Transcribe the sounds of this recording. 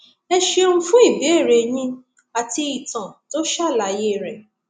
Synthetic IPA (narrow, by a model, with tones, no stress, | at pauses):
ɛ˧ʃe˧ũ˧fũ˦i˦˨be˨˦e˦˨ɾe˧j̃ĩ˧ | a˨ti˧i˨tã˨to˦ʃa˦˨la˨˦je˦˨ɾɛ˨